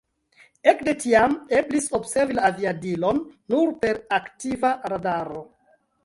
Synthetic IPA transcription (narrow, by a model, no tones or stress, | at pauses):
e̞kde̞tiame̞bliso̞bse̞ɾvilaːviadilo̞nːuɾpe̞ɾaktivaɾadaɾo̞